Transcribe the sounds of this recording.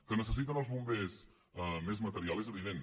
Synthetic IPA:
kənəsəsit̪ənəlˠzβumbes | əmezmət̪əɾialˠezəβiðen

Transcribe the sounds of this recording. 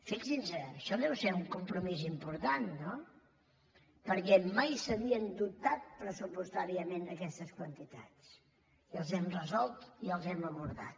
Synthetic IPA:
fiksinzəəʃɔðɛwseuŋkumpɾumizimpuɾt̪anːo | pəɾkɛmajsəβiənd̪up̚t̪at̪̚pɾəsupust̪aɾiəmenəkɛst̪əskwənt̪it̪a̰t͡s | iəlˠzɛmrəzɔlˠt̪iəlˠzɛməβuɾða̰t̪̚

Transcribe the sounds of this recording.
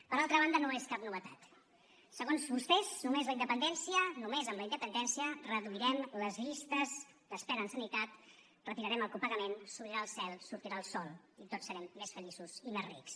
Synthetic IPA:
pəɾalˠt̪ɾəβ̞and̪ənoeskapnuβət̪a̰t̪ | səɣonzβust̪ɛznumezləind̪əpənd̪ɛnsiənumezəmləind̪əpənd̪ɛnsiərəðuiɾɛmləzβist̪əz | d̪əspɛɾəːnsənit̪at̪ | rət̪iɾəɾɛməlˠkupəɣəmensuβɾiɾaəlˠsɛlˠsuɾt̪iɾaəlˠsɔlˠ | it̪ot͡ssːəɾɛmːesfəlisuz̥imezrḭks

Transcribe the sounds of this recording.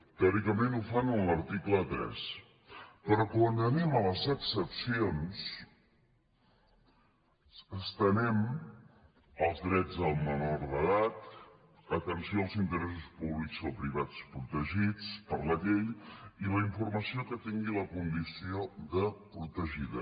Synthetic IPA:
t̪eɔɾikəmenufanənləɾt̪iklət̪ɾɛ̰s | pəɾɔkwand̪ənimələzəksəpsions | əst̪ənɛm | əlˠzðɾɛd͡zðəlˠmənoɾðəðat̪ | ət̪ənsioəlˠzint̪əɾɛs̬uspuβlikzðəlˠpɾiβ̞at͡spɾut̪əʒit͡spəɾləʎeʎiləiɱfurməsiokət̪iŋɡiləkund̪isioðəpɾut̪əʒiðə

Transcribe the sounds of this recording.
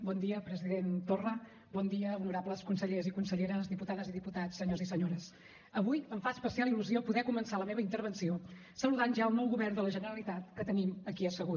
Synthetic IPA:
bɔnd̪iəpɾəziðent̪orə | bɔnd̪iəunuɾabləskunsəʎezikunsəʎeɾəzðiput̪aðəziðiput̪at͡sssːəɲozisəɲoɾəs | əβujəɱfaspəsialˠiluziopuðɛkumənsaləmeβəint̪əɾβ̞ənsio | səluðanʒaəlˠnɔwɣuβɛrnd̪ələʒənəɾəlit̪at̪kət̪əniməkiəsəɣu

